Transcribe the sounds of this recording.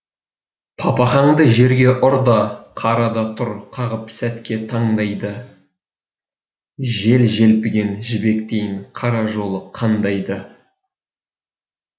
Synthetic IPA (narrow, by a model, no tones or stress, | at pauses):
pʰɑpɑχɑɴd̪əʒe̞ɾɡʲe̞ʔʊɾd̪ɑqʰɑɾɑd̪ɑt̪ʰʊɾqʰɑʁəpsæt̪kʲe̞t̪ʰɑɴd̪ɑjd̪ə | ʒe̞lʒe̞lpɪɡʲe̞nʒɪbe̞kt̪e̞jɪŋqʰɑɾɑʒo̞lˠəqʰɑnd̪ɑjd̪ə